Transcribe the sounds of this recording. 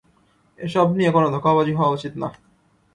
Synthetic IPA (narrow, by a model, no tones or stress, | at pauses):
eʃɔbniekonod̪ʱokːaβad͡ʑiɦɔoaut͡ɕit̪na